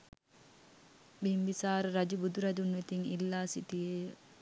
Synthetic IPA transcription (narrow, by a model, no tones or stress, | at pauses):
bimbisaːɾəɾad͡ʒubud̪uɾad͡ʒunʋet̪iŋilːaːsit̪ijeː